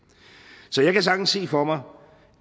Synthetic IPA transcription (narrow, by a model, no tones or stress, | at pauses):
sɒ̽jɑ̈ɪkʰæs̬ɑ̈ɡ̥n̩se̝̰ːfɒmɑ